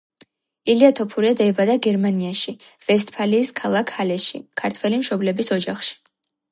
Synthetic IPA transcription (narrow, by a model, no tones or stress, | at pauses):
iliat̪ʰɔpʰuɾiad̪aɛbad̪aɡɛɾmaniaʃiv̥ɛst̪̚ʰpʰaliːskʰalˠakʰhalɛʃḭkʰaɾt̪ʰwɛlimʃɔblɛbisɔd͡ʒaχʃi̥